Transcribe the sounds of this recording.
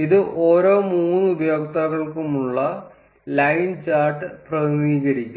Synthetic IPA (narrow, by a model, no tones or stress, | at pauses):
iðɨʔoːɾo̞ːmuːnːɨubɐjoːkt̪ɐɣɐɭkumuɭːɐ | lɐjnt͡ɕaːrʈːɨprɐmiːɣɐɾikʲːu